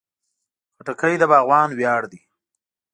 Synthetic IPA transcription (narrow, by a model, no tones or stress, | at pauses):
paʈakəjd̪əbɑːɣwɑːnwjɑːɽd̪i